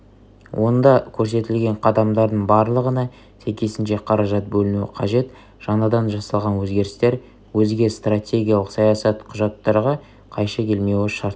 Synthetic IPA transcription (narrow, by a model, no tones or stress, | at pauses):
wʔo̞nd̪ɑkʲʰɵɾse̞t̪ɪlɡʲe̞ɴqʰɑd̪ɑmd̪ɑɾd̪əɴbɑɾlˠəʁənɑ | sʰekʲe̞sɪnʃe̞qʰɑɾɑʒɑt̪̚bɵlɪnuɪ̰qʰɑʒe̞t̪ | ʒ̥ɑnɑd̪ɑnʒɑsɑlˠʁɑnwɵzɡʲe̞ɾɪst̪e̞ɾ | wɵzɡʲe̞st̪ratʲe̞ɡʲijalˠəqsɑjɑsɑt̪qʰʊʒɑt̪ːɑɾʁɑ | qʰɑjʃɑkʲʰe̞lme̞wɪʃɑɾt̪